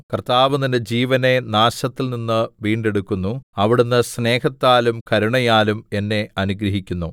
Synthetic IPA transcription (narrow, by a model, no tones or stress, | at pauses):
kɐrt̪aːʋɐninːed͡ʑiːʋɐne̞naːɕɐt̪ːilninːɨʋiːɳɖe̞ɽukːunːuɐʋiɽunːɨsne̞ːhɐt̪ːaːlumkɐɾuɳɐjaːlume̞nːe̞ɐnuɡɾɐɦikʲːunːu